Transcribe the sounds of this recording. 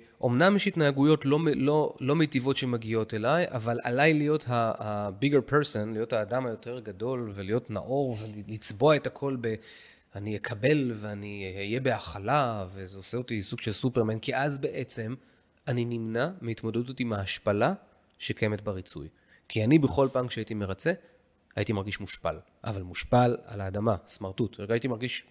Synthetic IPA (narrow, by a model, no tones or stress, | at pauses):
ʔo̞mnamjeʃhitnaːɡujo̞tlo̞melolo̞mejtivo̞tʃemaɡio̞te̞lajʔa̰valʔa̰lajlijo̞thahːbiɡeʁpʰeʁsonlijo̞thaːdamhajo̞tʰe̞ʁɡado̞lvelijo̞tna̰ʔo̞ʁvelit͡sbo̞ae̞takʰo̞lbe̞ | anijekʰabe̞lveanijebeaχalave̞zeoseotisuɡʃelsupeʁmenkiʔazbe̞ʔe̞t͡se̞m | aninimnameitmo̞dedutimaaʃpala | ʃekaje̞metbaʁit͡sṵj | kʰianibeχo̞lpaːmkʃeaitime̞ʁat͡se̞ | ajitimaʁɡiʃmuʃpa̰l | ʔa̰valmuʃpala̰laːdamasmaʁtuteajitimaʁɡiʃ